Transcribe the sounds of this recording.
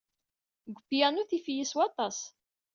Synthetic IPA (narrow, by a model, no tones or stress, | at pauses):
ɡʷəbijænuθifjiswɑt̪ˤɑs